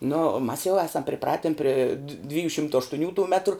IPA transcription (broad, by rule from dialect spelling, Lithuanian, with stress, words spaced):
nʊ mɐs jɛʊ ˈæːsɐm pʲrʲɪˈprɑːtʲɪn pʲrʲɪ dʋ ˈdʲʋʲɪjuː ˈʃʲɪmtoː ɐʃtʊˈnʲuː tuː ˈmʲæːtrʊ